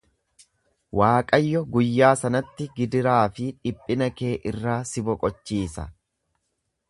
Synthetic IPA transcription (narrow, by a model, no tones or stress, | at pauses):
waːkʼɐjːɔɡʊjːaːsɐnɐt̪ːɪɡɪd̪ɪɾaːfɪᶑɪpʼːɪnɐke̞ːʔɪrːaːsɪbɔkʼɔt͡ʃːiːsɐ